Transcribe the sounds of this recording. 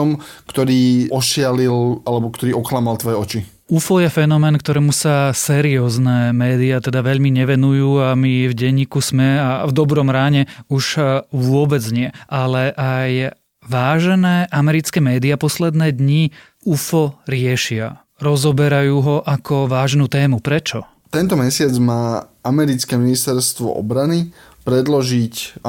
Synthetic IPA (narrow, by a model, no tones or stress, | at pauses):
ɔmkt̪ɔɾiːʔɔʃɪalilʔalɛbɔkt̪ɔɾiːɔxlamalˠt̪ʋɔjɛɔt͡ʃi | ufɔjɛfɛnɔmɛːnkt̪ɔɾɛːmusasɛːɾiɔːznɛːmɛːd̪iat̪ɛd̪aʋɛʎmiɲɛʋɛnujuːamivɟɛɲːiːkusmɛavd̪ɔbɾɔmɾaːɲɛuʒʋʊɔbɛd͡zɲɪɛʔalɛʔaj | ʋaːʒɛnɛːʔamɛɾit͡skɛːmɛːd̪iapɔslɛd̪nɛːd̪ɲi | ufɔɾɪɛʃɪa̰ | ɾɔzɔbɛɾajuːɦɔʔakʰɔʋaːʒnuːt̪ɛːmupɾɛt͡ʃɔ | t̪ɛnt̪ɔmɛsɪad͡zmaːamɛɾit͡skɛminist̪ɛɾst̪ʋɔ̰ʔɔ̰bɾani | pɾɛd̪lɔʒic